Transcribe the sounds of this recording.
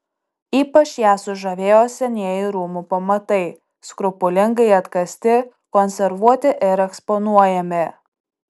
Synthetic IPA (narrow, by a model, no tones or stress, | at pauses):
iːpɐt͡ʃjæːsʊʒɐʋʲeːjoːsʲɛnʲiɛjɪɾuːmuːpɐmɐt̪ɐɪ | skɾʊpʊlʲɪŋɡɐɪɐt̪kɐsʲt̪ʲɪ | kɔnʲsʲɛɾʋuɔt̪ʲɪʔɪɾɛkspɔnuɔjɛmʲɪ